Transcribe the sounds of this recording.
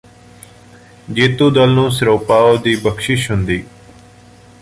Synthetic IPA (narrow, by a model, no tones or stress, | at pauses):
d͡ʒeːt̪ũːd̪əlnũːsəɾoːpaːoːd̪iːbəkʃɪʃɦʊnd̪iː